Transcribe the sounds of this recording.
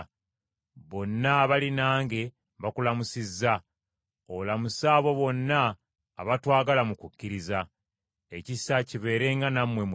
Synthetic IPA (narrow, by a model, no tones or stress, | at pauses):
βo̞nːaːβalinaːŋɡe̞ | βakulamusizːa | olamusaːβo̞βo̞nːa̰ː | βatwaːɡalamukucːiɾiza | e̞cisaciβe̞ːɾe̞ŋɡanamwe̞m